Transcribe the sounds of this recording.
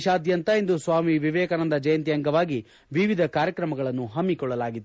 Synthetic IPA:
ʃaːd̪jɐnt̪ɐind̪usʋaːmiʋiʋɛːkaːnɐnd̪ɐd͡ʒɐjɐnt̪ijɐŋɡɐʋaːɡi | ʋiʋid̪ʱɐkaːɾjɐkɾɐmɐɡɐɭɐnːuɦɐmːikɔɭːɐlaːɡid̪

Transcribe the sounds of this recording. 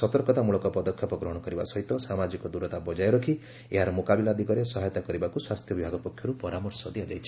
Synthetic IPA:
sɔt̪ɔɾkɔt̪amuɭɔkɔpɔd̪ɔkʰːjɔpɔɡɾɔɦɔɽ̃ɔkɔɾiba̰sɔɦit̪ɔsamad͡ʒikɔd̪uɾɔt̪abɔd͡ʒajɔɾɔkʰi | eɦaɾɔmokabilad̪ikɔɾesɔɦajɔt̪akɔɾibakuswast̪ʰjɔbibʱaɡɔpɔkʰjɔɾupɔɾamɔɾsɔd̪iad͡ʒajt͡ʃʰi̥

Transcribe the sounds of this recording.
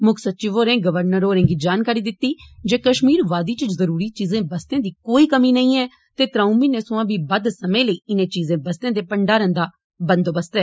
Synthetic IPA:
mʊksət̪ːt͡ʃɪʋoːɾẽːɡəʋəɾnəɾoːɾẽːɡiːd͡ʒaːnkaːɾiːd̪ɪt̪ːiːd͡ʒeːkəʃmiːɾʋaːd̪iːt͡ʃɪd͡ʒzəɾuːɾiːt͡ʃiːzẽːbəst̪ẽːd̪iːkoːiːkəmiːnəĩːɛː | t̪eːt̪ɾaːũːmiːnẽːsʊãːʋiːbəd̪səmẽːləiːɪnẽːt͡ʃiːzẽːbəst̪ẽːd̪eːpəɳɖaːɾə̃nd̪aː | bənd̪oːbəst̪ɛː

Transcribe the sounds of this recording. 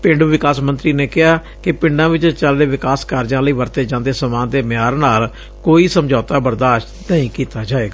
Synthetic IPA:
pɪ̃ɳɖʋɪkaːsmə̃nt̪ɾiːneːkɪɦaː | kɪpɪ̃ɳɖãːʋɪt͡ʃt͡ʃəlɾeːʋɪkaːskaːɾd͡ʒãːləiːʋəɾt̪eːd͡ʒãːnd̪eːsəmãːnd̪eːmaːɾnaːl | koːiːsəmd͡ʒaːt̪aːbəɾd̪aːʃʈnəĩːkiːt̪aːd͡ʒaːeːɡaː

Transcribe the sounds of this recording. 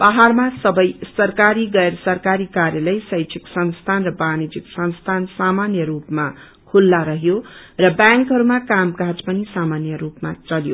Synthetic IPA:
paɦarmasʌbʌjsʌrkaɾiɡʌersʌrkaɾikarjalʌjsʌjt͡sʰiksʌnst̪ʰanrʌbanid͡ziksʌnst̪ʰansamanjʌrupma | kʰulːaɾʌɦjo | rʌbjaŋkɦʌɾumakamkãd͡zpʌnisamanjʌrupmat͡sʌljo̰

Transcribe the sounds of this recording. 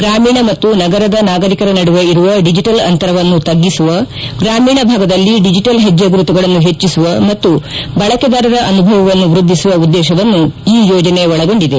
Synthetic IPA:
ɡɾaːmiːɳɐmɐt̪ːunɐɡɐɾɐd̪ɐnaːɡɐɾikɐɾɐnɐɽuʋeiɾuʋɐɖid͡ʒiʈɐlɐnt̪ɐɾɐʋɐnːut̪ɐɡːisuʋɐ | ɡɾaːmiːɳɐbʱaːɡɐd̪ɐlːiɖid͡ʒiʈɐlɦed͡ʒːɐɡɾut̪uɡɐɭɐnːuɦe̞t͡ʃːisuʋɐmɐt̪ːubɐɭɐked̪aːɾɐɾɐʔɐnubʱɐʋɐʋɐnːuʋɾud̪ʱːisuʋɐud̪ːɛːʃɐʋɐnːuiːjoːd͡ʒɐne̞ɔɭɐɡo̞ɳɖid̪e

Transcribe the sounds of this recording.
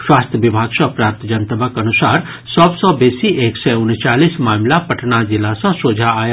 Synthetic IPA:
ʃwaːst̪ʰjəʋibʱaːɡsɔ̃pɾaːp̚t̪d͡ʒənt̪əbʱəkənʊsaːɾ | sɔbsɔbeːsiʔeːksɛʊnt͡ʃaːlismaːmlapəʈnad͡ʒɪlasãsoːd͡ʒʱaaj

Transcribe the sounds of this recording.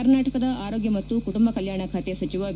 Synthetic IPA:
ɐɾnaːʈɐkɐd̪ɐʔaːɾo̞ːɡjɐmɐtt̪ːukuʈumbɐkɐljaːɳɐkʰaːt̪esɐt͡ʃiʋɐ

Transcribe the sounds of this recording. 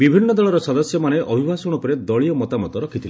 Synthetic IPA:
bibʱinːɔd̪ɔɭɔɾɔsɔd̪ɔsjɔmaneʔʔɔbʱibʱasɔɽ̃ɔpɔɾed̪ɔɭijɔmɔt̪amɔt̪ɔɾɔkʰit̪ʰile

